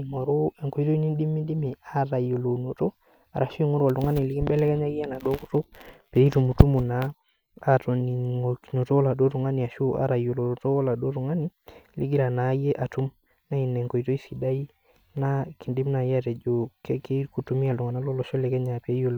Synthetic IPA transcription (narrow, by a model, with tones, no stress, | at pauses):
ŋɔ˨ɾo˦ɛ˨ŋko˨i˦to˦i˦ni˦ndi˦mi˦ndi˦mi˨a˦ɾa˨jo˨lo˨no˨to˦ | a̰˨ɾa˨ʃo˦i˦ŋo˦ɾa˨ltu˨ŋa˦ni˨li˦ki˦mbɛ˦lɛ˦kɛ˦ɲa˦ki˦ja˦na˨do˦ku˦to˦pe˨i˦tu˨mu˨tu˦mu˨naː˦˨ | to˨ni˨ŋo˨kno˨to˦la˨do˦tu˨ŋa˦ni˨a˨ʃu˦ʔa̰˨˦ɾa˨jo˨lo˨to˦la˨do˦tu˨ŋa˦ni˦li˦ɡi˦ɾa˨na˨˦jɛ˦ʔa˨tu˦m | na˦i˨nɛ˨ŋko˨i˨to˦i˦si˨da˦i˦ | na˦ki˨ndi˦mna˨ja˦tɛ˨d͡ʒo˨kɛ˦ke˦ku˨tu˨mi˦a˨ltu˨ŋa˨na˦lɔ˦lɔ˨ʃɔ˦lɛ˨kɛ˦ɲa˨pe˨˦jo˨l